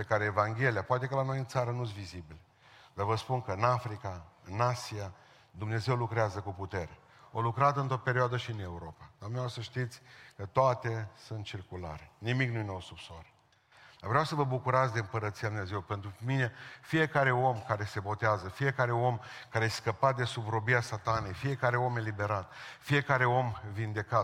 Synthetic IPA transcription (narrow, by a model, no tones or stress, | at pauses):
pe̞kaɾeːvaŋɡʲe̞lijapoʊat̪e̞kəlano̞jɨnt̪saɾənusvizibile | d̪̥arvəspunkəɨnafɾikaɨnasia | d̪umne̞ze̞wlukɾeazəkuput̪e̞ɾe | olukɾat̪ɨnt̪ɾope̞ɾioad̪əʃiɨne̞uɾo̞pad̪amneosəʃt̪it̪sʲkət̪oat̪e̞sunt̪̚t͡ʃirkula̰ɾe̞nimiknujenoosupsoaɾe | avɾeawsəvəbukuɾat̪sʲd̪e̞ɨmpəɾət̪siad̪umne̞zewpe̞nt̪ɾumine̞fije̞kaɾe̞o̞mkaɾe̞se̞bo̞t̪eazəfije̞kaɾe̞o̞mkaɾesskəpat̪̚d̪e̞subɾo̞biasat̪ane̞jfije̞kaɾe̞o̞me̞libe̞ɾat̪fije̞kaɾe̞o̞mvind̪e̞ka